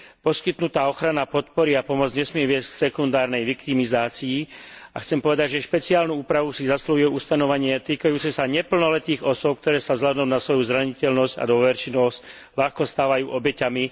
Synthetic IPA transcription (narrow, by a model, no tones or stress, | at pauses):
pɔskit̪nut̪aːɔxɾanapɔt̪pɔɾiapɔmɔd͡zɲɛsmɪɛʋɪɛsksɛkund̪aːɾnɛjʋikt̪imizaːt͡siiːaxt͡sɛmpɔʋɛd̪aɟʒɛʃpɛt͡siaːlnuuːpɾaʋusizasluɦiɛuːst̪anɔʋaɲɪɛt̪iːkajuːt͡sɛsaɲɛpl̩nɔlɛt̪iːɣɔsʊɔp̚k̚t̪ɔɾɛːsazlad̪ɔmnasʋɔjuzɾaɲicɛlnɔzɟa̰d̪ʋɔʋɛɾt͡ʃinɔs | laxkɔst̪aːʋajuːʔɔbɛcami